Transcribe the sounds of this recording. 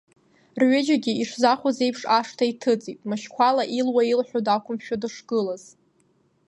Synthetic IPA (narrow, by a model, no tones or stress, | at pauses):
rɥʏd͡ʒaɡʲiiʂzaχʷaze̞jpʰʂaʂtʰaitʰɨd͡zʼitʼmaʃkʷʰalaʔilwailħʷᶣodakʷʰʊmʃᶣadɨʂɡ̥ɨlaz